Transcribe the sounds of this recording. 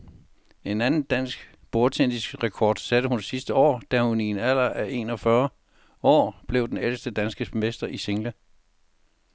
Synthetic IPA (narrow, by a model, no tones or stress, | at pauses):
e̝nænn̩d̥æn̰sɡ̥ | b̥oɐ̥t͡sʰend̥isɡ̥ʁɛkʰɒ̰ːd̥sæd̥əhunsisd̥əɒ̰ːd̥æhunienæl̰ɐʔæʔe̝ːnɒ̽fɶɐ | ɒ̰ːb̥le̝ʊd̥enelsd̥əd̥ænsɡ̥əmesd̥ɐʔiseŋlə